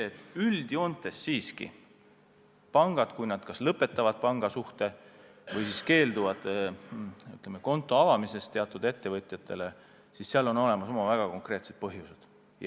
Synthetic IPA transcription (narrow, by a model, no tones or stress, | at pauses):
eːt̪ːˑyld̪̥io̞nt̪ːˑe̞sːiːskḭ | pɑŋɡ̥ɑd̪̥kujnɑd̪̥kɑslɤpːˑe̞t̪ːˑɑvɑd̪̥̚pɑŋɡ̥ɑsuht̪e̞ | vɤjsiske̞ːld̪uvɑd̪̥ | yt̪ˑlemeko̞nt̪ːˑo̞ɑvɑmise̞st̪e̞ɑt̪ːˑud̪̥e̞t̪ːe̞vɤt̪ʲˑjɑt̪ʰːˑe̞le | sisseɑlo̞no̞le̞mɑso̞mɑvæɡ̥ɑko̞ŋkrɾe̞ːt̪se̞t̪̚pɤɦjused̪̥